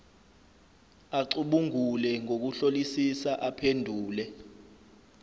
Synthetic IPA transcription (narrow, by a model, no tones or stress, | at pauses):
aǀuɓuŋulɛŋok̬uɬolisisaʔapʰendʱuːlɛ